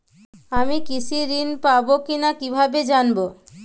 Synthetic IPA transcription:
amikit͡ɕʰiɾinpabokinakibʱabed͡ʑanbo

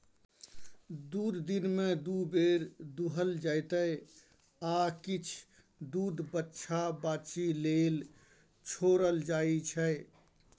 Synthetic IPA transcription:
d̪ud̪ːinmed̪ubeɾd̪uɦəld͡ʒajt̪əj | akit͡ʃʰ | d̪uːd̪bətːʃʰabaːt͡ʃilel | t͡ʃʰoɾəld͡ʒait͡ʃʰɛ

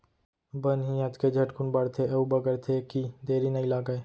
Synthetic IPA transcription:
bənɦijət̪ked͡ʒʱɐʈkʊnbɐɽt̪ʰeɐubəɡəɾt̪ʰekid̪eːɾinɐĩlaːɡəe

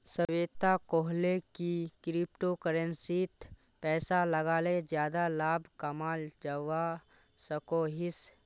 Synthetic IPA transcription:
sɐʋeːt̪akoːɦlekikɾɪp̚ʈokəɾənsiːt̪ | pɛːsalɐɡaːlezjaːd̪alaːbʱkɐmaːld͡ʒaʋa | sɐkoːɦɪs

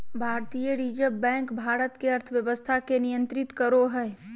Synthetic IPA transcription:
bʱaːɾt̪ijəɾiːd͡ʒəbɛ̃ːŋkbʱaːɾət̪keɐɾt̪ʰəʋjəʋəst̪ʰakenijə̃nt̪ɾɪt̪kəɾoɦɛː

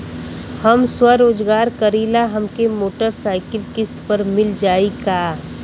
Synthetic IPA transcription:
hɐmswaɾoːd͡ʒɡaːɾkɐɾiːlaɦɐmkemoːʈəɾsaːɪkɪlkɪst̪pɐɾmɪld͡ʒaːikaː

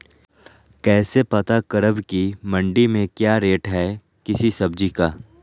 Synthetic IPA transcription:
kɛːsepɐt̪akəɾəbkimɐ̃ɳɖimẽkjaːɾeːʈɦɛ | kɪsisɐbd͡ʒikaː

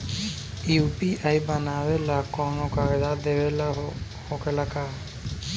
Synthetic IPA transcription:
iupiʔajbanabelakɔnɔkaɹd̪ad̪ɛbɛla | hɔkɛlaka

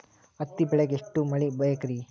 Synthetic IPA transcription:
ɐt̪ːibɛɭeɡeʂʈːumɐɭibɐjɐkɾi

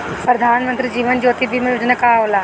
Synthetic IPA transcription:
pɾəd̪ʱanmənt̪ɾiːd͡ʑiːʋənd͡ʑoːt̪iːbʱiːmɐjud͡ʑənəkaɦola

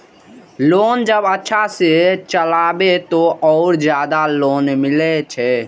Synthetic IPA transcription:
loːnd͡ʒəbətːʃʰaset͡ʃəlaːbet̪oʔɔʊɾd͡ʒjaːd̪aloːnmɪlɛt͡ʃʰɛ

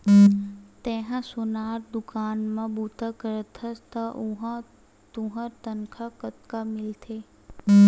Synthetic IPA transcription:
t̪ẽːɦãsʊnaːɾd̪ʊkaːnmãbut̪əkəɾət̪ʰəst̪əʔuɦã | t̪uɦəɾt̪ənkʰakət̪kamɪlt̪ʰe

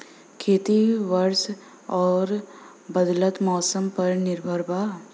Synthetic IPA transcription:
kʰeːt̪iʋɐɾs | ɔːɾ | bɐd̪lət̪mɔːsəmpɐɾnɪɾbʱəɾbaː

